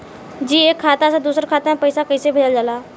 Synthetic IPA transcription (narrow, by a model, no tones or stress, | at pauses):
d͡ʒiːeːkʰːaːt̪ased̪uːsɾkʰaːt̪aɦẽpəɪsakɐɪsebʱed͡ʒəld͡ʒalaː